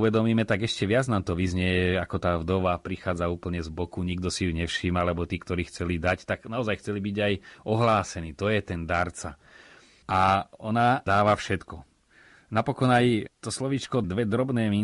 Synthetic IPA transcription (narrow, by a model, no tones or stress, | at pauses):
uʋɛd̪ɔmiːmɛt̪aɡɛʃcɛʋɪad͡znaːmt̪ɔʋizɲɛjɛakɔt̪aːvd̪ɔʋapɾixaːd͡zauːpl̩ɲɛzbɔkuɲiɡd̪ɔsijuɲɛfʃiːmalɛbɔt̪iːkt̪ɔɾiːxt͡sɛlid̪act̪aɡnaɔzajxt͡sɛlibiɟajɔɦlaːsɛniːt̪ɔjɛt̪ɛnd̪aɾt͡sa | aɔnad̪aːʋafʃɛt̪kɔ | napɔkɔnajt̪ɔslɔʋiːt͡ʃkɔd̪ʋɛd̪ɾɔbnɛːmi